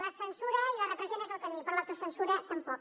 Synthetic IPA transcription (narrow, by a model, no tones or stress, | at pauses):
ləsənsuɾəilərəpɾəzenəzəlˠkəmipəɾlat̪usənsuɾət̪əmpɔ